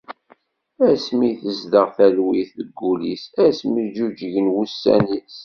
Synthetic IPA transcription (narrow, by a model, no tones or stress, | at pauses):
æsmijθəzd̪əʁθælwiθðəɡːulisæsmid͡ʒud͡ʒəʝənwusːæ̰nis